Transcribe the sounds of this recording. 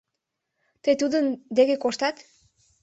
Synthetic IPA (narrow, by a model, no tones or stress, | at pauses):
t̪əjt̪ud̪ənd̪eɣekoʃt̪ɑt̪